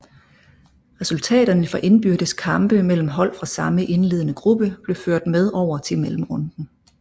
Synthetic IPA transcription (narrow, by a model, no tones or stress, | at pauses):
ʁɛsult͡sʰɛ̰ːɾ̥ɐnəfɒʔe̝nb̥yɐd̥əskʰɑ̈mb̥əmel̰m̩ɦɒ̽l̰fʁɑ̈sɑ̈məʔe̝nle̝ːðˠənəɡ̥ʁub̥əb̥le̝føɐ̰d̥með̞ˠɒʊ̰ɐt͡sʰe̝lmelm̩ʁɔ̽nd̥n̩